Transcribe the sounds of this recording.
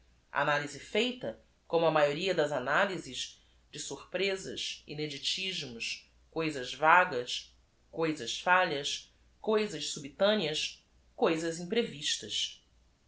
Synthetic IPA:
a̰a̰nalizɪfejt̪ɐ | kõmʊɐmajoɾiɐd̪ɐzanalizɪz | d͡ʒɪsuχpɾezɐ̰ʃḭned͡ʒit͡ʃiʒmʊʃ | kojzɐzvaɡɐs | kojzɐʃfaʎɐs | kojzɐʃsubit̪ɐ̃niɐs | kojzɐzĩpɾeviʃt̪ɐʃ

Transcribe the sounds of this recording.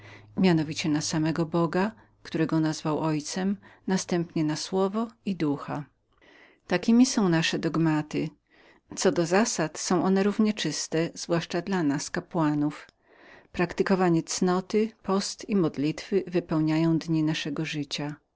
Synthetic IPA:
mʲjanɔvʲit͡ɕɛnasamɛɡɔbɔɡa | kt̪uɾɛɡɔnazvawɔjt̪sɛmnast̪ɛmpɲɛnaswɔvɔid̪uxa | t̪akʲimʲisɔ̃w̃naʂɛd̪ɔɡmat̪ɘ | t̪sɔd̪ɔzasat̪sɔ̃w̃ʔɔnɛɾuvɲɛt͡ʂɘst̪ɛz̥vwaʂt͡ʂad̪lanaskapwanuf | pɾakt̪ɘkɔvaɲɛt̪snɔt̪ɘpɔst̪imɔd̪lʲit̪fɘvɘpɛwɲajɔ̃w̃d̪ɲinaʂɛɡɔʐɘt͡ɕa

